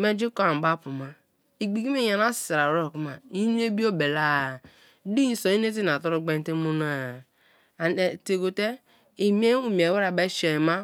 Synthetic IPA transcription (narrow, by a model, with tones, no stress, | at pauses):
me˦d͡ʒi˦ko˦a˨ba˦pu˨ma˦ | i˨ɡ͡bi˨ɡi˦me˦˨ja˨na˦ssi˨ɾa˨ɾo˦˨ku˦ma˨i˦n˦e˦bi˦o˦be˨la˦˨˦ | di˦˨˦so˨i˦n˦e˦t̬i˦na˨to˦ɾo˦ɡ͡be˦n˦te˦mu˦n˦a˦˨ | e˨te˨ɡo˨te˦ | i˨m˦e˦u˦mi˨e˨we˦ɾa˨be˦ʃe˨ma˦